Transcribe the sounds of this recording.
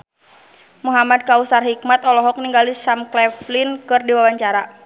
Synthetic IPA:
muɦamad̚kausarhik̚mat̪ɔlɔɦɔk̚niŋɡalisamklɛflinkɨrdiwawaɲt͡ʃaɾa

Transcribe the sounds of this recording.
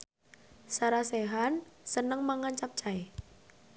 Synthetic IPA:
saɾaseɦansənəŋmaŋant͡ʃap̚t͡ʃae

